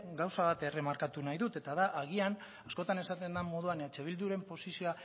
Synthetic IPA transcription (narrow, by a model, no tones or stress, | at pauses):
ɡawsaβat̪e̞re̞maɾkat̪unajðut̪e̞t̪aðaʔaɣ̞ian | asko̞t̪ane̞sat̪e̞nd̪amo̞ð̞uanat͡ʃe̞β̞ild̪uɾe̞mpo̞sisio̞a